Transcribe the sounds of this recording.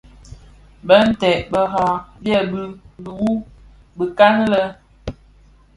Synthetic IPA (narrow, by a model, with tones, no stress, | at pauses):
bə˦n̩˦tɛ˨ʔbə˨ɣa˨bjɛ˦˨bɨ˦bu˨u˦ | bə˨ka˦ŋlə˦